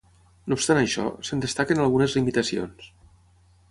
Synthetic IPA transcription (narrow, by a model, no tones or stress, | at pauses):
nopst̪anəʃɔ̰sənd̪əst̪akənalˠɣunəzlimit̪əsio̰ns